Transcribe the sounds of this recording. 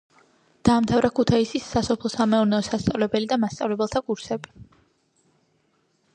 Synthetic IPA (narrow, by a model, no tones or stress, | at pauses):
d̪̥aːmt̪ʰavɾakʰut̪ʰaisisːasɔpʰlˠɔsamɛuɾnɛɔsast̪sʼa̰vlɛbɛlid̪amast̪sʼa̰vlɛbɛlˠt̪ʰakʼuɾsɛbi